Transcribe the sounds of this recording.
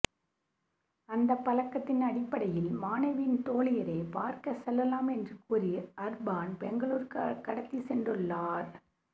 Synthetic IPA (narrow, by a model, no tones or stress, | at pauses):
ɐnd̪ɐpːɐlɐkːɐt̪ːɪnɐɽɪpːɐɽɐjɪlmaːnɐʋɪnt̪oːlɪjɐɾeːpaːɾkɐsɛlːɐlaːmɛndrɯkuɾiʔɐɾbaːnpɛŋɡɐɭuːɾkkɐɽɐt̪ːisɛndrɯɭːaːɾ